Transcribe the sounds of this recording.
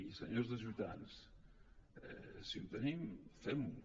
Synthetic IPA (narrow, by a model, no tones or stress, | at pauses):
isəɲozðəʒut̪ans | ɛ̰siunt̪ənimfɛm